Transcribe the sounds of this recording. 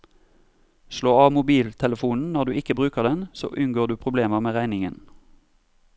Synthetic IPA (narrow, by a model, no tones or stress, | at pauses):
ʃloːɑːʋmʊbiːlt̪ʰɛləfuːnn̩nɔʁd̪ʉːɪkəbʁʉːkəʁd̪ɛnso̰ːʔʉnɡoːʁd̪ʉːpʰʁʊbleːməʁmeːʁæɪnɪŋən